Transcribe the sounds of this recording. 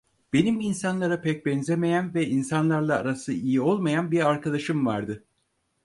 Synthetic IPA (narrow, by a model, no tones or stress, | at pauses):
b̥e̞niminsanlˠaɾapʰɛc̚bɛnzeme̞jænvɛinsanlˠaɾlˠaːɾasɯijio̞lˠmajanbiɾaɾkʰad̪aʃɯmvaɾd̪ɯ